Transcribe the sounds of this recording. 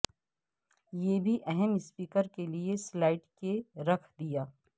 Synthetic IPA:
jeːbʱiʔɛɦɛmɪspiːkəɾkelieslaːɪʈkeɾɐkʰd̪ijaː

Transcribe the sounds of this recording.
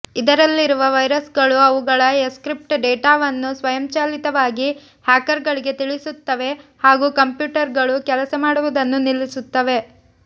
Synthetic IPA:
id̪ɐɾɐlːiɾuʋɐʋɐjɾɐsɡɐɭuɐʋuɡɐɭɐeskɾip̚ʈɖeːʈaːʋɐnːusʋɐjɐmt͡ʃaːlit̪ɐʋaːɡi | haːkɐɾɡɐɭiɡe̞t̪iɭisut̪ːɐʋe̞haːɡuːkɐmpjuːʈɐɾɡɐɭukɛlɐsɐmaːɽuʋud̪ɐnːunilːisut̪ːɐʋe̞

